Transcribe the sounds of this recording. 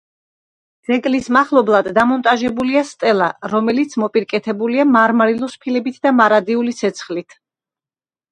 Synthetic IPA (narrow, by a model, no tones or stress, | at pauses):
d̪z̥ɛkʼlismaχlˠɔblˠad̪ːamɔnt̪ʼaʒɛbuliast̪ʼɛlˠaɾɔmɛlit̪sʰmɔpʼiɾkʼɛt̪ʰɛbuliamaɾmaɾilˠɔspʰilɛbit̪ʰd̪amaɾad̪iulit̪sʰɛt̪sʰχlit̪ʰ